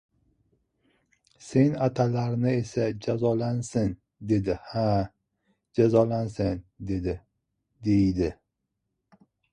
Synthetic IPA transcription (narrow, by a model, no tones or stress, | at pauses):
se̞nat̪ʰalaɾnɪe̞sad͡ʒazɒlansɪn | d̪e̞d̪ɪha | d͡ʒazɒlansɪnd̪e̞d̪ɪ | d̪e̞jd̪ɪ